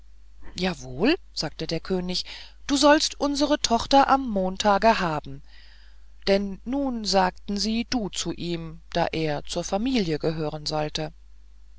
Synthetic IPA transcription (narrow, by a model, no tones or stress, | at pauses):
jaːvoːl | z̥aːk̚tədeːɐkʰøːnɪç | d̥uːzɔlstʔʊnzəʁətʰɔχtɐʔamːoːntʰaːɡəɦaːbm̩ | d̥ɛnːuːnzaːk̚tn̩ziːd̥uːt͡suʔiːmd̥a̰ːʔeːɐt͡suːɐfamiːljəɡəɦøːʁ̞ənzɔltə